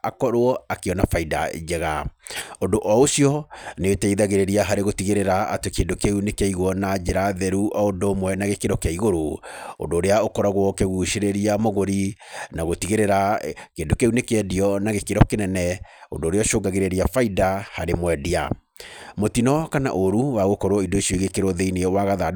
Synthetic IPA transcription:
akɔɾoɔakeɔnafaida̰d͡ʒɛɣaondoʔɔosiɔneotaiðaɣeɾeɾiaɦaɾeɣotiɣeɾeɾa̰ːtekeːndokeunekeaiɣwɔnad͡ʒeɾaðɛɾuʔɔondomwɛnaɣekeɾɔkeaiɣoɾoo̰ndoːɾeaokɔɾaɣwɔkeɣuʃeɾeɾiamoɣoɾinaɣotiɣeɾeɾakeːndokeunekɛdiɔnaɣekeɾɔkenɛnɛo̰ndoːɾeɔʃoːɡaɣeɾeɾiafaidahaɾemwɛdia̰ | motinɔkana̰ʔoɾuwaɣokɔɾoɔidoiʃiɔiɣekeɾoðeineɛwaɣaða

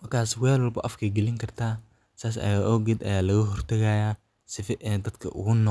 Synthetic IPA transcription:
mɐrkʰaːswɛːlwɐlbɐʔɐfkʰiɡɛlɪŋkʰɐrt̪ʰaː | saːs̬ɐ̰jaːʔɔːɡɛd̪ɐ̰jaːlɐɣɐɦɔrt̪ʰɐɣɐjaː | sɪfɛʔd̪ɐd̪kʰɐʔʊ̰ɣʊnɔ

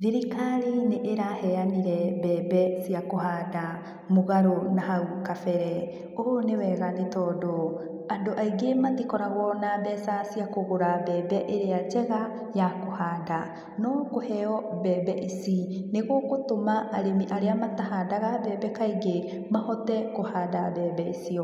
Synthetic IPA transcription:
ðiɾikaɾineʔːɾahɛaniɾɛbɛːɛsiakohaːda | moɣaɾonaɦaukafɛɾɛ | onewɛɣanetɔːdɔ | andoʔaiɡematikɔɾaɣwɔnabɛsasiakoɣoɾabɛːbɛʔeɾead͡ʒɛɣa | jakohaːda | nɔkohɛɔbɛːbɛʔisineɣokotomaʔːɾemiʔaɾeamatahadaɣabɛːbɛkaiɡe | mahɔtɛkohaːdabɛbɛisiɔ

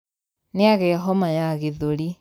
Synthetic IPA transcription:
neaɣɛɦɔmajaɣiðuɾi

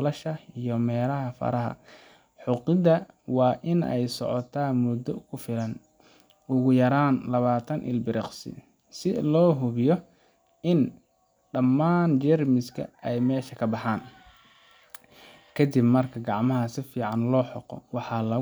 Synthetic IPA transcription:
lɐʃɐijɔmɛːlɐɦɐfɐ̰ɾɐɦɐ̰ | ħʊqɪðɐ | wɑːʔɪnɛ̰jsɔ̰ʕɔt̪ʰaːmʊd̪ɔkʰʊfɪlɐn | ʊɣʊjɐɾaːnlɐβaːt̪ʰɐnʔɪ̰lbɪɾɪqsɪ̰ | sɪlɔːɦʊβɪjɔ | ɪn | ɖɐmːaːnt͡ʃɛrmɪskʰɐ̰ɛjmɛːʃɐkʰɐbɑħaːn | kʰɐd̪ɪbmɐrkʰɐɡɑʕmɐɦɐsɪfiːʕɑnlɔːħɔqɔ̰wɑħɑlɐ

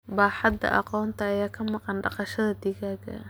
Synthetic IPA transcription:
baːħɑd̪ɐ̰ʔɑ̰qɔːnt̪ʰɐːjaːkʰɐmɑqɑnɖɑqɑʃɐðɐd̪iɣaːɡɐ̰

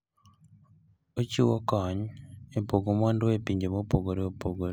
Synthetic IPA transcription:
ociwokaɲiepoɡomandweːpiːɲɟemopoɡoɾioβpoɡoɾ

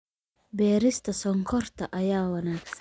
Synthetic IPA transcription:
bɛːɾɪst̪ʰɐsɔŋkʰɔrt̪ʰɐʔɐjaːwɐnaːɡs

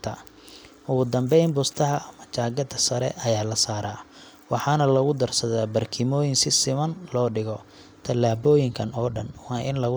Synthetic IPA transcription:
t̪ʰɐ | ʊɣʊd̪ɐmbɛjmbɔst̪ʰɐɦɐmɐt͡ʃaːɡɐd̪ɐsɐɾɛ̰ʔɐjaːlɐsaːɾaː | wɑħɑːnɐlɐɣʊd̪ɐrsɐðaːbɐrkʰɪmɔːjɪnsɪsɪmɐnlɔːɖɪɣɔ | t̪ʰɐlːaːbɔːjɪŋkʰɐnɔːɖɐnwɑːʔɪnlɐɣ

